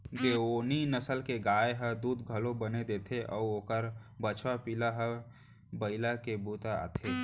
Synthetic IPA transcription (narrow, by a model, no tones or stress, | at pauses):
ɡeːoːninəsəlkeɡaːjeɦəd̪uːd̪ɡʱəlõbəned̪eːt̪ʰeʔɔ̰ːoːkəɾbət͡ʃʰwapilaɦə | bəɪlakebuːt̪aa̰ːt̪ʰeː